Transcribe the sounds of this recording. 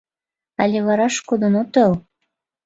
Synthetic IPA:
alʲeβɑɾɑʃkod̪onot̪əl

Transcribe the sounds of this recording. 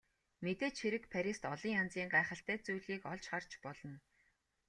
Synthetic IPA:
met̪eːt͡ɕxeɾɘ̆kpʰaɾʲist̪ɔɮiːŋant͡siːɴɢaːχə̆ɬt̪æːt͡sujɮiːkɔɮt͡ɕχart͡ɕpɔɮɞ̆n

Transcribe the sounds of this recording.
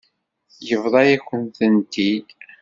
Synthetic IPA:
jəvðˤɑjæçʷənθənt̪id̪

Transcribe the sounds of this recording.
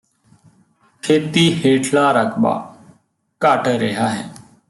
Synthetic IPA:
kʰeːt̪iːheːʈʰlaːɾəkʰɓa̰ː | kəʈɾeɦaːɦɛː

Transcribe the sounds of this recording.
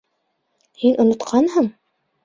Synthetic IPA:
hinʔŏnŏt̪qʰɑnɦɤɴ

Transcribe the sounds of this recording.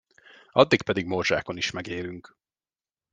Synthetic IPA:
ɒd̪ːik̚pɛd̪iɡmorʒa̰ːko̞niʃmɛɡeːlyŋk

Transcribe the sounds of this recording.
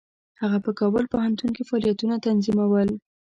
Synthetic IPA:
haɣapəkɑbəlpohant̪unkefɑlijat̪unat̪anzimawəl

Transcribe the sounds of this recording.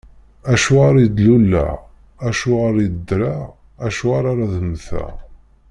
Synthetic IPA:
æʃuʁaɾid̪lulːæ̰ | æʃuʁaɾid̪ːɾa | æʃuaɾaɾaðəmθæ̰

